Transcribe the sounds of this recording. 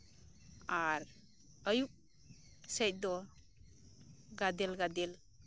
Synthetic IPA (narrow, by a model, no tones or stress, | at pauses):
aɾ | əjuk̚ | sɛjt̚d̪ɔ | ɡad̪elɡad̪el